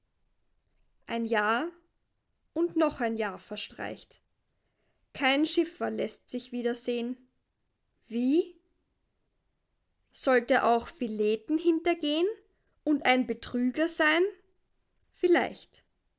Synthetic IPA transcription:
ʔaɪnjaːɐ | ʔʊntnɔχaɪnjaːɐfɛɐʃtʁ̥a̰ɪçt | kʰaɪnʃɪfɐlɛstz̥ɪçv̥iːdɐzeːən | viː | z̥ɔltəʔa̰ʊxfileːtn̩hɪntɐɡeːən | ʊntaɪnbətʁ̥yːɡɐzaɪn | fɪla̰ɪçt

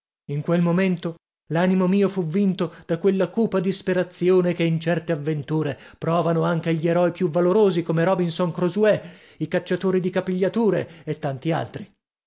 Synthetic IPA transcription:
iŋkwelmoment̪o | laːnimomiːofuvːint̪od̪̥akwelːakuːpad̪ispeɾat̪sjoːnekeint͡ʃɛrt̪eavːent̪uːɾepɾɔːvanoaŋkeʎːieɾɔjpjuvːaloɾoːzikomeɾɔbinsoŋkɾozuwɛ | ikat͡ʃːat̪oːɾid̪ikapiʎːat̪uːɾeet̪ːant̪ia̰lt̪ɾi

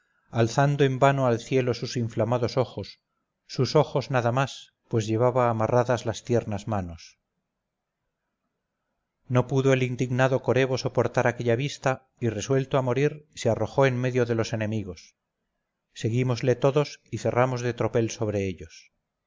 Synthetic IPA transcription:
alθand̪oe̞mbanoalθje̞losusiɱflamaðo̞so̞xo̞sː | uso̞xo̞znaðamas | pwe̞zʝe̞β̞aβaːmaraðazlast̪je̞ɾnazmano̞s | no̞puðoelind̪iɣnaðo̞ko̞ɾe̞βo̞so̞po̞ɾt̪aɾake̞ʎaβ̞ist̪a | ire̞swe̞lt̪oamo̞ɾiɾsearo̞xo̞enme̞ðjo̞ðe̞lo̞se̞ne̞miɣ̞o̞sː | e̞ɣimo̞zle̞t̪o̞ðo̞siθe̞ramo̞zðe̞t̪ɾo̞pe̞lso̞β̞ɾe̞eʎo̞s

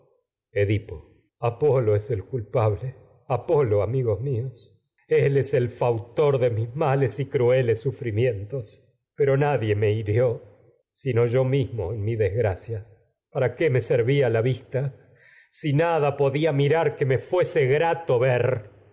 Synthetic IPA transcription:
eðipo | apo̞loeselkulpaβle | apo̞lo̞amiɣozmios | eleselfawt̪o̞ɾðe̞mizmalesikɾue̞lesːufɾimje̞nt̪o̞s | peɾo̞naðje̞meiɾjo̞ | sino̞ʒo̞mizmo̞̰enmiðezɣɾasja | paɾakeme̞seɾβialaβist̪a | sinaðapo̞ðiamiɾaɾkemefweseɣɾat̪o̞βeɾ

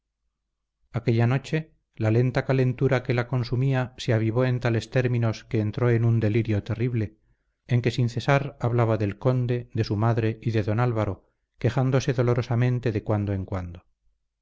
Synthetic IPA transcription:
ake̞ʎano̞t͡ʃe̞ | lale̞nt̪akale̞nt̪uɾake̞lako̞nsumiaseaβiβoe̞nt̪ale̞st̪e̞ɾmĩno̞ske̞ːnt̪ɾo̞e̞nund̪e̞liɾjo̞t̪e̞riβle̞ː | ŋke̞sinθe̞saɾaβlaβaðe̞lko̞nd̪e̞ðe̞sumaðɾe̞ʔiðe̞ðo̞nalβaɾo̞ | ke̞χand̪o̞se̞ðo̞lo̞ɾo̞samẽ̞nt̪e̞ðekwand̪oeŋkwand̪o

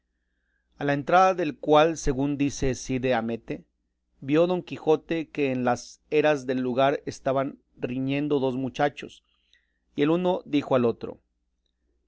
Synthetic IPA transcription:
alae̞nt̪ɾaðaðe̞lkwalse̞ɣund̪ise̞siðeame̞t̪e̞ | bjo̞ðo̞ŋkixo̞t̪e̞ke̞ːnlase̞ɾazðe̞lːuɣaɾe̞st̪aβan | riɲe̞nd̪o̞ðo̞zmut͡ʃat͡ʃo̞̰s | ie̞luno̞ðixo̞alo̞t̪ɾo̰

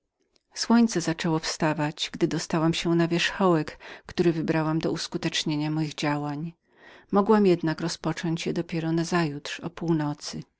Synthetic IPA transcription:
swɔɲt̪sɛzat͡ʂɛwɔfst̪avad͡ʑɡd̪ɘd̪ɔst̪awamɕɛnavʲjɛʂxɔwɛkːt̪uɾɘvɘbɾawamd̪ɔuskut̪ɛt͡ʂɲeɲamɔjiɣd͡ʑawaɲ | mɔɡwamjɛd̪nakɾɔspɔt͡ʂɔɲt͡ɕjɛd̪ɔpʲjɛɾɔnazajutʂɔ̰puwnɔt̪sɘ

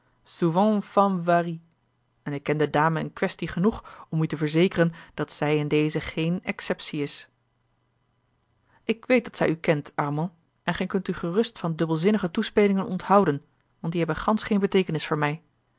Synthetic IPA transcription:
suvɑ̃fɑvari | ɛnɪkːɛndədaːməə̰nkʋɛstiχənuχɔmytəvəɹzejkərənd̥ɑtsɛjɪndejzəχejnɛksɛpsiɪs | ɪkʋejt̚dɑtsɛ̰jykɛntʔɑɹmɔ̃ | ʔɛnχɛjkɵntyχərɵstfɑndɵbəlˠzɪnəχətuspejlɪŋənɔnthɑwdən | ʋɑntdiɦɛbənχɑnsχejnbətejkənɪsfʊːɹmɛj

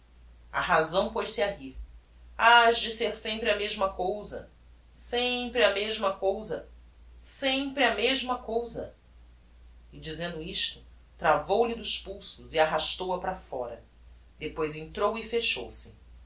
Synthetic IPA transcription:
ɐ̰ɦazɐ̃w̃pojʃsiaɦiɾ | aʒd͡ʒɪseɾsẽmpɾɪɐmeʒmɐkowzɐ̰ | sẽpɾɪɐmeʒmɐkowzɐ | sẽpɾɪɐmeʒmɐkowzɐ | ɪd͡ʒizẽnd̪ʊiʃt̪ʊ | t̪ɾavowlɪd̪ʊʃpuwsʊziaɦaʃt̪owɐpɾafɔ̰ɾɐ | d̪epojzẽnt̪ɾowifeʃowsɪ

